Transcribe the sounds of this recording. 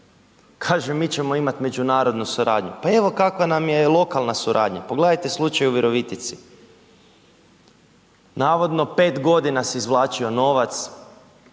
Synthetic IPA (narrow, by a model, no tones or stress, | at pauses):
kʰaːʒemːiːt͡ɕe̞mo̞imat̪me̞d͡ʒunaːɾo̞d̪nusuɾa̰ːd̪ɲṵpae̞ʋo̞kakʋanamjelˠo̞kalˠnasuɾʔa̰ːd̪ɲa̰poɡled̪ajt̪e̞slˠut͡ʃajuʋiɾo̞ʋit̪it̪si | naːʋo̞d̪no̞pe̞ːt̪ɡo̞d̪inasiizʋlˠaːt͡ʃio̞no̞ʋat̪s